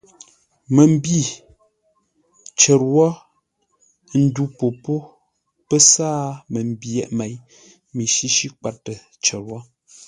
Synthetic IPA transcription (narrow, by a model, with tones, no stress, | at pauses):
mə˨m̩˦bi˦˨ | t͡ʃə˨ɾwɔ˦ | n̩˦du˦po˨po˦ | pə˦saː˦mə˨m̩˨bjɛ˨ʔmɛ˨˦j | mi˨ʃi˦ʃi˦k͡pa˦tːə˨ | t͡ʃə˨ɾwɔ˦